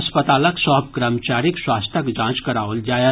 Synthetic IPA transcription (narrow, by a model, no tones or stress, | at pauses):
spət̪aːləksɔːɦb̚kɾəmt͡ʃaːɾikswaːst̪ʰəkd͡ʒãːt͡ʃkɐɾaːʋəld͡ʒaːje